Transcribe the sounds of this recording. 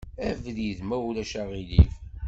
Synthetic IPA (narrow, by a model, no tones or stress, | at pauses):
ævðiðmælæʃæʁilif